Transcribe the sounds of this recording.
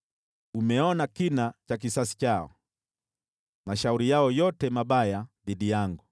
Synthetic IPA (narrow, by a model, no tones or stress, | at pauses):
umɛɔnakinat͡ʃak̬isasi̥t͡ʃaɔ̰ | maʃauɾijaɔjɔtɛmaɓajaðiɗijaŋɡu